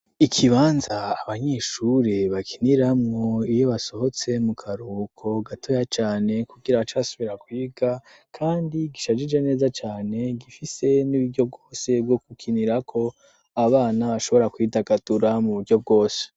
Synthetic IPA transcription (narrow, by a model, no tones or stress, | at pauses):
ikʰiβaːnzaːβaɲeːʃuɾeβakʰiniɾamŋo̞ijo̞βaso̞ho̞t͡se̞mukʰaɾuːkʰo̞ɡatʰo̞jat͡ʃaːne̞kuɡiɾaβat͡ʃasoβiɾakwiːɡa | kʰaːndiɡiʃad͡ʒid͡ʒene̞ːzat͡ʃaːne̞ɡifise̞niβiɾɟo̞b̚ɡoːse̞bjo̞ɡukʰiniɾakʰo̞ | aβaːnaβaʃo̞βo̞ɾakwiːdaɡad̥uɾamuβuɾɟo̞b̚ɡo̞ːse̥